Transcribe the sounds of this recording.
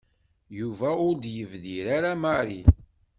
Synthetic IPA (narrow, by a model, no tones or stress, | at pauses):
juvæʊɾd̪jəvðiɾaɾamaɾi